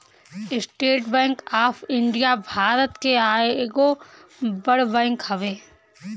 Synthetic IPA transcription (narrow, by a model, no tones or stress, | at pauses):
ɪsʈeːʈbɛ̃ːŋkaːpʰɪ̃ɳɖijabʱaːɾət̪keaːeɡo | bɐɽbɛ̃ːŋkɦɐʋeː